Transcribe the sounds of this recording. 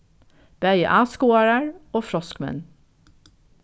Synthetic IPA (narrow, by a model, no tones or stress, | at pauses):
b̥æɪə̰ʔɑːskuːɑɹəɹoːfɾɔskmɛ̰n